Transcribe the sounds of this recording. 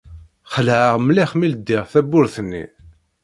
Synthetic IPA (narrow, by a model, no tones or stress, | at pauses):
χəlʕəʁmliχmild̪ːiʁθæbːʊɾθənːḭ